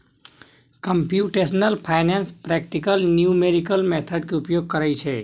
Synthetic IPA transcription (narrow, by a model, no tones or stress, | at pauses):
kəmpjuʈesnəlpʰaːɪnenspɾɛːk̚ʈikəlnjumeɾikəlmeːt̪ʰəɖkeʊpjoːɡ̚kəɾajt͡ʃʰɛ